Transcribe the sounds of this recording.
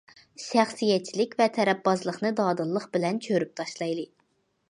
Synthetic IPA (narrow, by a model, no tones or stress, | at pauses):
ʃæχsijɛt͡ʃʰilɪkʲvɛt̪ʰɛɾɛpːɑzlˠəχnɨd̪ɑːd̪ɨlˠːəχbɪlɛnt͡ʃʰøɾyp̚t̪ʰɑʃlˠɑjlˠɨ